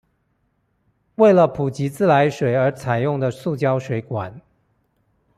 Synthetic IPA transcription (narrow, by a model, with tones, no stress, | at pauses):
we˥˩ɪlə˨pʰu˨˩t͡ɕi˧˥t͡sɹ̩˥˩la˧˥ɪʂwe˨˩ɪə˞˧˥t͡sʰa˨˩ɪjʊ˥˩ŋd̪ə˨su˥˩t͡ɕjɑ˥ʊʂwe˧˥ɪkwa˨˩˦n